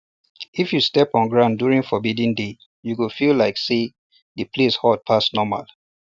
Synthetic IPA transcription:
ifjustɛpɔ̃nɡɹãʊ̃ndjuɹĩŋfɔbidĩnde | juɡufilaɪkse | dəpʰleshɔd̚pʰasnɔma̰l

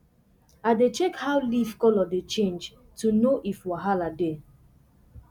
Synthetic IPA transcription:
adet͡ʃɛkhawlivkɔlɔdet͡ʃẽnd͡ʒ | tunoʔifwaɦalade

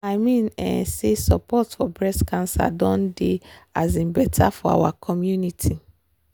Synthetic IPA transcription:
aɪmĩnɛ̰̃nsesɔpʰɔtfɔbɹɛskʰãnsa̰dɔ̃ndeazĩmbɛtʰafɔa̰wakʰɔmjunitʰi

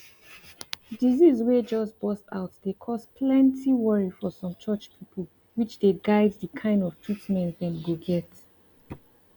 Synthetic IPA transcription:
dizizwed͡ʒɔsbɔstaʊtdekʰɔspʰlɛ̃ntʰiwɔɹifɔsɔ̃mt͡ʃɜt͡ʃpʰipʰəlˠ | wit͡ʃdeɡaɪdðəkʰãɪ̃ndɔv̥tʰɹitmɛ̃ntðɛ̃nɡoɡɛt

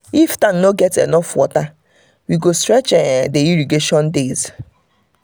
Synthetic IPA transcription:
iftãŋnoɡɛtḛnɔfɔta | wiɡostɾɛt͡ʃedeiɾiɡeʃɔndez

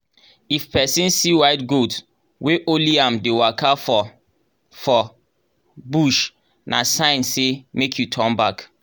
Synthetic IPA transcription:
ifpʰɛsĩnsiwaɪtɡot | wʔeʔoliãmdewakaf | fɔ | buʃ | nʔasãɪ̃nsemekʰjutʰɔ̃nbak

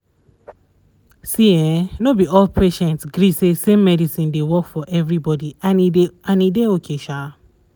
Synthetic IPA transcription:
siɛ̃nobiɔlpʰeʃɛ̃ntsɡɹisesemːɛdisĩndewɔkfɔʔɛvɹibɔdiaiãnideokʰeʃa

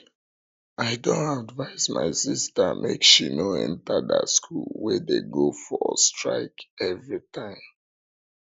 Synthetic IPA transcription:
aɪdõnadvaɪzma̰ɪsistəmʔekʃinoɛ̰̃ntadəskʰulwedeɡofɔstɹa̰ɪkɛvɹitʰãɪ̃m

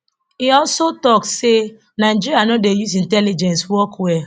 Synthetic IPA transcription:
iɔlsotɔkse | naɪd͡ʒiɾianɔdejusĩntɛlid͡ʒɛ̃nswɔkwɛ

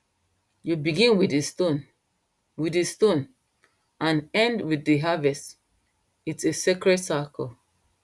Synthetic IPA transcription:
jubiɡĩnwideston | widestõn | ãnɛ̃ndwiðiɦavɛst | itsesekɹɛtsakʰɔl

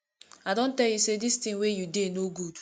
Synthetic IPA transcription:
aɪdõn̩tɛljusedistĩŋwejudenoɡud

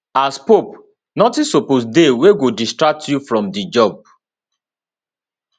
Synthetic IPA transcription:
aspop | nɔtĩsoposdeweɡodistɹak̚tjufɹɔ̃mdid͡ʒɔb̚

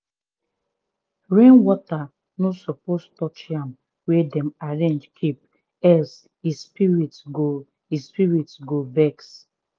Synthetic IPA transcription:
ɹẽnwɔta | nosɔpostɔt͡ʃãm | wɛdɛ̃maɹẽnd͡ʒkʰip̚ | ɛs | ispiɹitsɡo | ispiɹitsɡovɛks

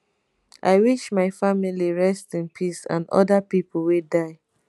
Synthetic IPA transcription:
ʔa̰ɪwiʃmaɪfamiliɹɛstĩnpʰisã̰nɔ̰dapipʰol̩wedaɪ

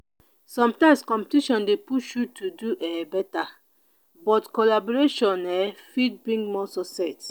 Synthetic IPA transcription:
sɔ̃mtãɪ̃mskɔ̃mpe̥tiʃɔ̃ndepuʃjutʰuduʔɛbɛta | bɔtkɔlabɔɹeʃɔ̃nɛfid̚bɹĩŋɡmɔsɔsɛt

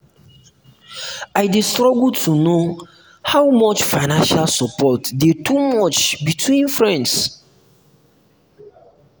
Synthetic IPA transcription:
aɪdestɹɔɡltʰuno | hawmɔt͡ʃfaɪnãnʃalsɔpɔtdetʰumɔt͡ʃbitʰwĩnfɹɛ̃nds

